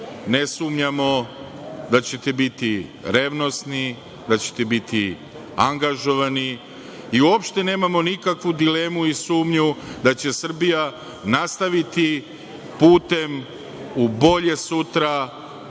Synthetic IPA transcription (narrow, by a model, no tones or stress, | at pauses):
ne̞sumɲamo̞ | d̪at͡ɕe̞t̪ebit̪iɾe̞ʋno̞sni | d̪at͡ɕe̞̥t̪ebit̪i | aŋɡaʒo̞ʋani | iuopʃt̪e̞ne̞ːmamo̞nikakʋud̪ile̞ːmuisuːmɲud̪at͡ɕe̞sr̩bija | nast̪aʋit̪i | puːt̪e̞m | ubo̞ʎe̞sut̪ɾa